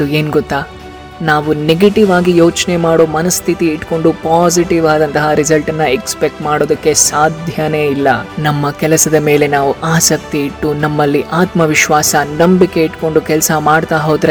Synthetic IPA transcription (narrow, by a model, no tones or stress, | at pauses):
d̪ueːnɡɔt̪ːaː | naːʋuneɡɐʈiʋaːɡijoːt͡ʃne̞maːɽo̞ːmɐnɐst̪ʰit̪iːʈːko̞ɳɖupaːsiʈiʋaːd̪ɐnt̪ɐɦɐɾisɐlʈɐnːɐekspek̚ʈmaːɽo̞ːd̪ɐkːe̞saːd̪ʱjɐne̞ːilːɐnɐmːɐkɛlɐsɐd̪ɐme̞ːle̞naːʋuʔaːsɐk̚t̪iːʈːunɐmːɐlːiʔaːt̪mɐʋiʃʋaːsɐnɐmbikːe̞iʈko̞ɳɖukɛlsɐmaːɽt̪aːɦoːd̪ɾe